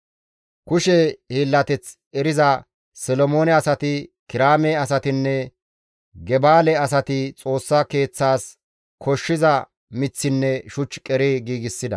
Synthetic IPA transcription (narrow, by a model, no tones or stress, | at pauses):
kʊʃɛhiːlːɐt̪ɛt͡s | ɛɾɪzɐ | sɔlɔmo̞ːnɛɐsɐt̪ɪkɪɾaːmeːɐsɐt̪ɪnːɛ | ɡɛbaːlɛɐs̬ɐt̪ɪt͡sʼo̞ːsːɐke̞ːt͡sːaːs | kʰɔʃːɪzɐ | mɪt͡sːɪnːɛʃʊt͡ʃːkʼɛɾeːɡiːɡɪsːɪd̪ɐ̰